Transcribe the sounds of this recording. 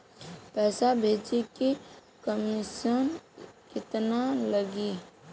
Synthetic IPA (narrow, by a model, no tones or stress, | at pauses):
pɛːsabʱeːd͡ʒiki | kəmisənkɪt̪naləɡi